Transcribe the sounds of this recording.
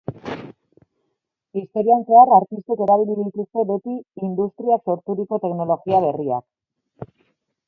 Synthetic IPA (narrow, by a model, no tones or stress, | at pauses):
ist̪o̞ɾianse̞aɾaɾt̪ist̪eke̞ɾaβ̞iliðit̪ust̪e̞βet̪iːnd̪ust̪ɾiakso̞ɾt̪uɾiko̞t̪e̞kno̞lo̞ɣiaβ̞e̞ria̰k